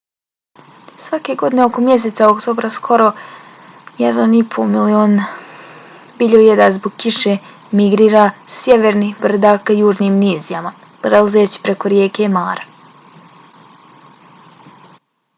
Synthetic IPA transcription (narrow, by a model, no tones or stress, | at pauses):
sʋake̞ɡo̞d̪ine̞o̞ko̞mje̞s̬et̪saokt̪oːbɾaskʰo̞ɾo̞ | jɛd̪anipʰo̰milio̞ːn | biːʎojed̪azboɡkiʃe | miɡɾiːɾasjeʋeɾnixbr̩d̪aːkajuːʒniːmniːzijama | pɾelˠazeːt͡ɕi̥pɾekoɾjeːkemaːɾa